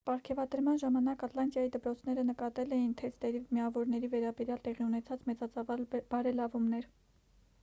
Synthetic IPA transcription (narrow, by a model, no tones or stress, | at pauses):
pɑɾkʰɛvɑd̪əɾmɑnʒɑmɑnɑkɑt̪lɑnt̪jɑjid̪əpɾɔt͡sʰn̪ɛɾənəkɑt̪ɛlɛjint̪ʰɛst̪ɛɾimiɑvɔɾnɛɾivɛɾɑbɛɾjɑlt̪ɛʁiunɛt͡sʰɑt͡smɛt͡sɑt͡sɑvɑlbɑɾɛlɑvumnɛɾ